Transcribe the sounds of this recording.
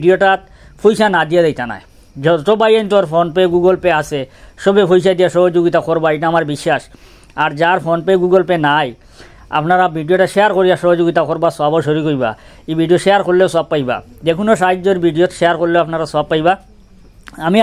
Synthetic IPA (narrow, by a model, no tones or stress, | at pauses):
ɖioʈat̪ | fʰojʃanad̪ijadajt̪ana̰e | t̪obajent̪oaɾfonpeɡuɡolpeat͡ɕʰeʃobefʰojʃad̪ijaʃɔɦod͡ʑoɡit̪akoɾbaejʈaamaɾbiʃːaʃ | aɾd͡ʑaɾfonpeɡuɡolpenaj | a̰pnaɾabʱiɖioʈaʃejaɾkoɾijaʃɔɦod͡ʑoɡit̪akoɾbasoaboʃoɾikoɾiba̰ | ebʱiɖijoʃeaɾkoɾlewsab̚pːajba̰d̪ekʰunoʃaɦdd͡ʑoɾbʱiɖijot̪ʃeaɾkoɾleapnaɾasab̚pːajba | ami